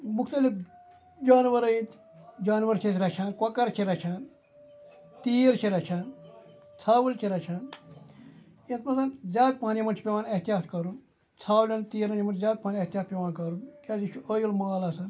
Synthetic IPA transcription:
mukt̪ɐlip | d͡ʒaːnʋɐɾɐĩt̪ | d͡ʒaːnʋɐɾt͡ʃʰesɾɐt͡ʃʰaːnkwɐkɐɾt͡ʃʰiɾɐt͡ʃʰaːn | t̪iːɾt͡ʃʰiɾɐt͡ʃʰaːn | t͡sʰaːwult͡ʃʰiɾɐt͡ʃʰaːn | jet̪mɐt̪ɐnzʲaːk̪̚paːnimɐnt͡ʃʰipʲeʋaːnɐht̪ijaːt̪kɐɾun | t͡sʰaːwlʲɐnt̪iːɾɐnt͡ʃʰmɐnzaːk̪̚paːniɐɦt̪ijaːt̪̚pʲeʋaːnkɐɾunkaːzit͡ʃʰuəjulmaːlɐsɐn

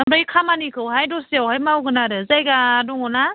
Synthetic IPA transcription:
amɾaikʰamanikʰɯwɦajdɔsiawhajmawɡɯnaɾɯzajɡaːdɔŋɔna

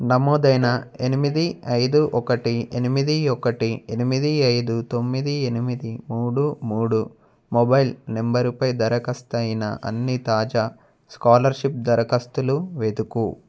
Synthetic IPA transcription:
nɐmɔːd̪ɐjnɐe̞nimid̪iɐjd̪uʔɔkɐʈienimid̪iɔkɐʈienimid̪iɐjd̪ut̪o̞mːid̪ie̞nimid̪imuːɽumuːɽu | mobɐjilnembɐɾupɐjd̪ɐɾɐkɐst̪ɐjinɐ̰ʔɐ̰nːit̪aːd͡ʒaː | skaːlɐɾʃip̚d̪ɐɾɐkɐst̪uluʋeːd̪uku

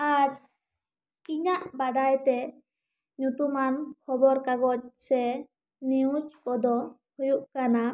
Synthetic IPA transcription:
aɾ | kiɲaʔbaɖajt̪ɛ | ɲut̪umankʰɔbɔɾkaɡɔc̚sɛ | niut͡ʃkɔd̪ɔ | hujuʔkana

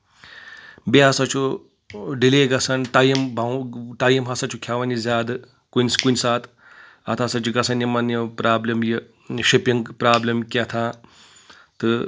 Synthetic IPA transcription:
beɦɐsɐt͡ʃʰu | ɖileːɡɐsɐnʈ̪ɐjimbʱɐwʈɐjimɦɐsɐt͡ʃʰukʲʰjaːʋɐnizʲaːd̪ɨ | kunʲskunʲsaːt̪ʰ | ɐt̪ʰɐsɐt͡ʃuɡɐsʰɐnjimɐnjɐpɾaːblɐmji | ʃipiŋɡpɾaːblʲɐmkʲet̪ʰaː | t̪ɨ

